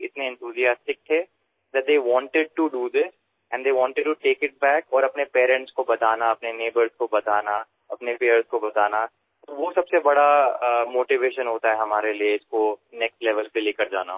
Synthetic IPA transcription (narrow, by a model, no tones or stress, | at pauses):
ɪt̪neɛ̃nt̪ʰuːzijaːsʈɪk̚t̪ʰɛ | d̪ɛʈ̚d̪eːʋɔ̃ːɳʈɪɖ̚ʈuɖuːd̪ɪs | ɛ̃ɳɖd̪eːʋɔ̃ːɳʈɪɖ̚ʈuʈeːkɪʈ̚bɛːkɔːɾɐpnepɛːɾɛ̃ɳʈskobɐt̪aːnaɐpneneːbəɾzkobɐt̪aːna | ɐpnepeːəɾzkobɐt̪aːna | t̪oʋosɐbsebɐɽamoːʈiʋeːʃə̃nɦoːt̪aɦɛɦɐmaːɾelieɪskonɛksʈlɛʋəlpeleːkəɾd͡ʒa̰ːna